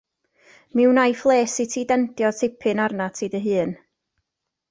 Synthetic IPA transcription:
mɪwnajflˠeːsitʰiːdɛntjɔtʰɪpʰɨnarnatʰiːdəɦɨːn

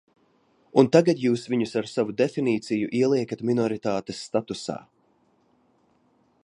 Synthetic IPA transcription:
unt̪aɡat̪juːsviɲusaɾsavud̪efiniːt̪sijuʔiɛlˠiɛkat̪minɔɾit̪aːt̪esːt̪at̪usa̰ː

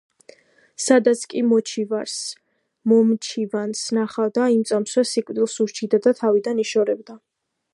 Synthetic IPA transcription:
sad̪at̪sʰkʼimɔt͡ʃʰivaɾs | mɔmt͡ʃʰivansnaχavd̪aimt̪sʼamswɛsikʼvd̪ilˠsuɾt͡ʃʰid̪ad̪at̪ʰavid̪aniʃɔɾɛbd̪a

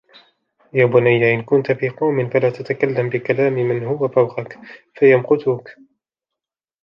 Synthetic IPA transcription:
jaːbʊnajːaʔɪnkʊnt̪fiːqɑwmɪnfalaːt̪at̪akalːambɪkalaːmɪmɪnhʊwafawqɑkfajamqʊt̪ʊk

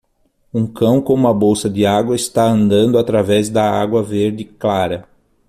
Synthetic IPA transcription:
ũŋkɐ̃w̃kõũmɐbowsɐd̪ɪaɡwɐɪst̪aɐ̃nd̪ɐ̃nd̪ʊat̪ɾavɛzd̪ɐaɡwɐveɾd̪ɪklaɾɐ

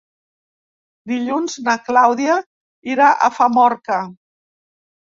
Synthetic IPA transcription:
d̪iʎunznaklawðia | iɾaʔə̰famɔɾkə

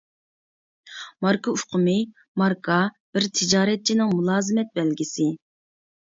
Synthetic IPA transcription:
mɑɾkɑuqʰəmɪ | mɑɾkʰɑ | b̥ɪɾt̪ʰɪd͡ʒɑːɾɛt̪̚t͡ʃʰinɪŋmulˠɑːzɨmɛt̪̚bɛlɡʲisɪ

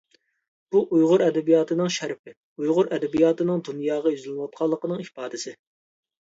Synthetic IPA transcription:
b̥uʔujʁʊɾɛd̪ɛbijɑːt̪ʰɨnɨŋʃæɾpɪ | ujʁʊɾɛd̪ɛbijɑːt̪ʰɨnɨŋd̪unjɑːʁɑjyzlnwɑt̪̚qʰɑlˠːəqənɨŋipɑːd̪ɨsɪ

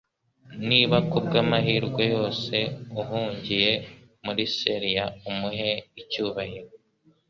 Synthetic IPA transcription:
niːβakub̚ɡamaɦiːɾɡwejo̞ːse̞uɦuːɲɟije̞ | muɾiseɾijaumuɦeicuːβahiɾo

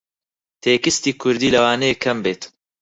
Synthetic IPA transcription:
t̪ʰeːkɨst̪iːkʰʊɾd̪iːlɐwaːneekʰːɐmbeːt̪

